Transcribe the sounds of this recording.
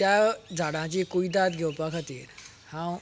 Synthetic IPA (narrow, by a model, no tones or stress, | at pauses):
jad͡zʱaɽãt͡ɕikuid̪at̪ɡʱewpakʰat̪ḭːɾ | hãw